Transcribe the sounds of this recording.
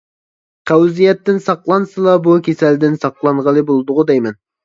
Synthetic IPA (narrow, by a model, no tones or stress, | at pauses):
qʰæwzijɛt̪ːɪnsɑqlˠɑnsɨlˠɑbukʲʰesɛld̪ɪnsɑqlˠɑɴʁəlˠɨbolˠd̪ʊʁʊd̪ɛjmɛn